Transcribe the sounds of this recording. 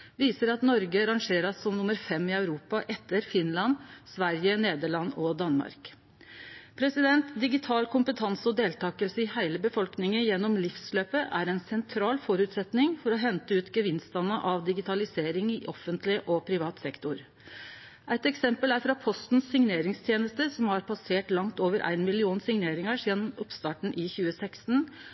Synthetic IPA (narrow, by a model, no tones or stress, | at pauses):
ʋiːsəɾɑt̪nɔɾɡəɾɑŋʂeːɾɑsːɔmnʊməɾfɛmːɪœʉɾuːpɑʔɛt̪ːəɾfɪnlɑnsʋæɾjəneːd̪əɭɑnːɔd̪ɑnmɑ̰ɾk | pʰɾɛsɪd̪ɛnt̪d̪ɪɡɪt̪ʰɑːlkʊmpət̪ʰɑnsəɔd̪eːlt̪ʰɑːkəlsəɪhæɪləbəfɔlknɪŋəjɛnːɔmlɪfsløːpəʔæ̰ɾɛnsɛnt̪ʰɾɑːlfɔɾʉːt̪sɛt̪nɪŋfɔɾɔɦɛnt̪əʉːt̪ɡəʋɪnst̪ɑnːəʔɑʋd̪ɪɡɪt̪ɑlɪseːɾɪŋɪʔɔfːənt̪lɪʔɔpʰɾɪʋɑːt̪sɛkt̪ʊɾ | ʔæɪt̪ɛksɛmpəlæɾfɾɑːpʰɔst̪n̩sːɪŋneːɾɪŋst̪ʰjeːnəst̪əsɔmhɑɾpʰɑseːʈlɑŋt̪oːʋəɾʔæ̰ɪnmɪlɪuːnsɪŋneːɾɪŋəʂjɛnːɔmɔpst̪ɑːʈɳ̩ʔɪçʉːəsæɪkst̪n̩